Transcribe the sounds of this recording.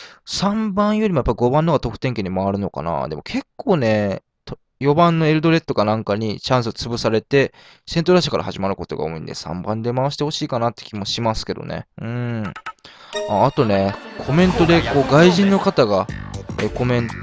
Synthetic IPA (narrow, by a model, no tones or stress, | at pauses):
sãmbãɰ̃jo̞ɾʲimojapːaiɡo̞bãnːo̞ɡat̪o̞kɯ̟t̪eŋke̞ɲ̟imaβaɾɯ̟no̞ka̰na̰d̪e̞mo̞kʰe̞kʰːo̞ːne̞ | t̪o | jo̞bãnːo̞e̞ɾɯ̟d̪o̞ɾe̞t̪ːo̞kanãŋkaɲ̟it͡ɕãɰ̃s̬ɨt͡sɨbɯ̟saɾe̞t̪e̞ | sẽ̞nt̪oɾaɕ̬ḁkaɾa̰haʑimaɾɯ̟ko̞t̪o̞ɡa̰oḭ̃nd̪e̞̰sã̰mbãnd̪e̞maaɕi̥t̪e̞ho̞ɕiːkanat̪ːe̥kʲimo̞ɕimasɨ̥ke̞d̪o̰nḛɯ̟̃ɴ | aːt̪o̞ne̞kʰo̞mẽ̞nt̪o̞d̪e̞ko̞ːɡaiʑĩnːo̞kat̪aɡaeko̞mẽ̞n